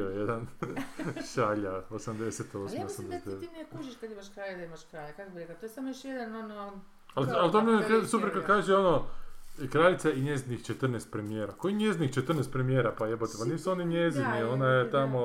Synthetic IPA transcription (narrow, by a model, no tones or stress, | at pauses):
ojed̪an | ʃaʎaosamd̪eset̪osmosamd̪eset̪d̪eʋeimkuʒiʃkad̪imaʃkɾaʎed̪aimaʃkɾaːjakakobiɾeklat̪ojsamojoʃjed̪anono | alalt̪omokasupeɾkad̪kaːʒeono | kɾalit̪saiɲezinixt͡ʃet̪ɾrnest̪̚pɾemijeːɾakoiɲjezinixt͡ʃet̪r̩ɾnest̪pɾemijeːɾapajebot̪epaniːsuoniɲeziknionajet̪amo